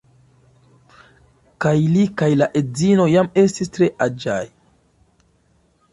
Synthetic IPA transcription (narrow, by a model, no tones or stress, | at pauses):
kajlikajlaʔed͡zino̞jame̞stistɾe̞ʔad͡ʒaj